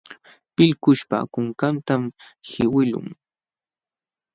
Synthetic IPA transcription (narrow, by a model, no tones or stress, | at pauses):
pɪlkʊʃpa̰kʊŋkant̪amhɪwɪlʊ̰ŋ